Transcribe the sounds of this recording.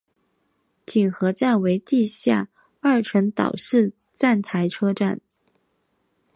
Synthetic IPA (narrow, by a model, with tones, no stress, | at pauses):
t̪ʰi˨˩ŋxɤ˧˥ʈ͡ʂa˥˩nwe˧˥ɪt̪i˥˧ɕja˥˧ | ɐ˥˩ʈ͡ʂʰə˧˥ŋt̪ɑ̰˨˩ʊʂɻ̩˥˧ | t͡sa˥˩nt̪ʰa˧˥ɪʈ͡ʂʰɤ˥ʈ͡ʂa̰˥˩n